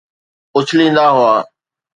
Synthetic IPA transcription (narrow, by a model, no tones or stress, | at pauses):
ʊt͡ʃʰlĩːnd̪aːɦʊaː